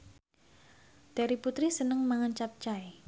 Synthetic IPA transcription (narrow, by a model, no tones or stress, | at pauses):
d̪̥a̤ɾiput̪ɾisənəŋmaŋant͡ʃap̚t͡ʃaj